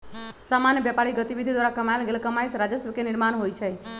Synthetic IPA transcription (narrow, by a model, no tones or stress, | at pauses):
samanjəʋjɛpaɭiɡət̪iʋid̪ʱid̪ʋaɾakəmaelɡelkəmaisɾad͡ʒəsəkenɪɾmaɳɦojt͡ʃʰe